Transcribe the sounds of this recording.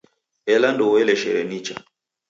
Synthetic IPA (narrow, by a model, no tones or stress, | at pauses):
ɛlandɔwɛlɛʃɛ̰ɾɛnit͡ʃa